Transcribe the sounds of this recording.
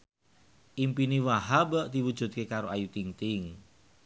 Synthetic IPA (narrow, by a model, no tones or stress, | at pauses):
ʔimpiniwaɦabəʔd̪̥iwud̥ʒ̥ṳt̪̚kekaɾoajut̪iŋt̪ɪŋ